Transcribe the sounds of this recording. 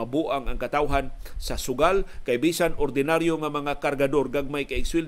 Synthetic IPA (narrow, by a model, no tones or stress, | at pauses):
abuʔaŋaŋkat̪awɦan | sasʊɡalkajbiːsanoɾd̪ɪnaɾjoŋamɐŋakaɾɡad̪orɡaɡ̚majkaɪkswɪl